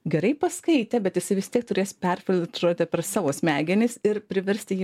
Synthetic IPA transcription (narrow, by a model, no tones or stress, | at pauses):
ɡʲɛɾɐɪpɐskɐɪt̪ʲɛbʲɛt̪jɪsɐɪʋʲɪst̪ʲiɛk̚t̪ʊɾʲeːspʲɛɾʲfʲɪlʲt̪ɾoːt̪ʲɪpʲɛɾsɑːʋoːsʲmʲæːɡʲɪnʲɪsɪɾpʲɾʲɪʋʲɛɾʲsʲt̪ʲɪjiː